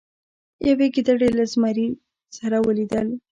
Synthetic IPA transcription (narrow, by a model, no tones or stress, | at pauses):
jaweɡid̪aɽelazmaɾi | saɾawəlid̪əl